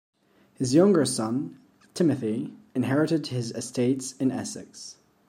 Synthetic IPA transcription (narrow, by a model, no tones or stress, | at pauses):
hɨzjʌ̃ŋɡə˞sʌ̃n | tʰɪmɨθiɨ̃nɦɛɹɨɾɨd̚ɪzɨsteɪtsɨ̃nɛ̰sɨ̰ks